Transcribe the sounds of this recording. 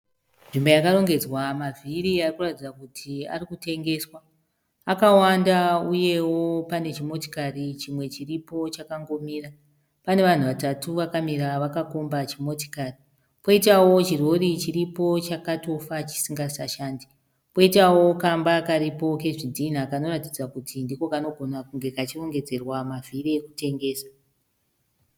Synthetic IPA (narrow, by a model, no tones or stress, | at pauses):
ʐimbojakaro̞ŋɡe̞d͡zwamavʱiɾiarikuratid͡zakutʰia̰rikute̞ŋɡe̞swa | akawandauje̞wo̞pane̞t͡ʃimo̞tokarit͡ʃimwe̞t͡ʃiripo̞t͡ʃakaŋɡo̞miːra | pane̞ʋan̤uʋatatuʋakamiɾaʋakakombat͡ʃimo̞to̥kari | po̞itawo̞t͡ʃiro̞ɾit͡ʃiripo̞t͡ʃakato̞fat͡ʃi̥siŋɡasaʃaːndi | po̞itawo̞kambakaɾipo̞ke̞ʐidʱin̤akano̞ratid͡zakutʰindiko̞kano̞ɡʱo̞nakuŋɡe̞kat͡ʃiro̞ŋɡe̞d͡ze̞rwamavʱiɾekute̞ŋɡe̞ːsḁ